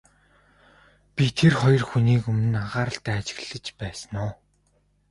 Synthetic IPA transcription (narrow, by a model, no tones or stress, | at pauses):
pʲit̪ʰerχɔjɞ̆rxuniːkɵmɘ̆naʁaːɾə̆ɬt̪æːt͡ɕɪ̥̆ɣɮə̆t͡ɕpæːsə̆nʊː